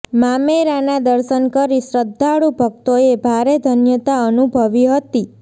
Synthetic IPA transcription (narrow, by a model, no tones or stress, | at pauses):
mameɾanad̪əɾʃənkəɾisɾəd̪ʱːaɽubʱək̚t̪oebʱaɾed̪ʱənjət̪aənubʱəʋiɦət̪i